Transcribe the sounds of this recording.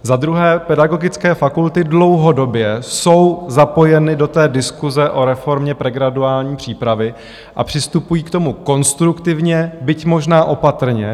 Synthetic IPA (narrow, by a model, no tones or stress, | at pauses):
zad̪ɾuɦɛːpɛdaɡo̞ɡɪt͡skɛːfakult̪ɪdlo̞wɦo̞do̞bjɛso̞wzapo̞jɛnɪdo̞t̪ɛːdɪskuzɛʔo̞ɾɛfo̞ɾmɲɛpɾɛɡɾaduaːlɲiːpr̝̥iːpɾavɪ | ʔa̰pr̝̥ɪst̪upujiːkt̪o̞muko̞nst̪ɾukt̪ɪvɲɛbɪcmo̞ʒnaːʔo̞pat̪r̩ɲɛ